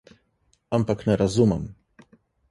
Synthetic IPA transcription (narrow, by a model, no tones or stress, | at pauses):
ampaknɛɾazuma̰m